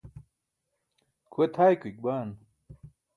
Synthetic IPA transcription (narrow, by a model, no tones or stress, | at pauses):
kʰuet̪ʰaːjkuik̚baːn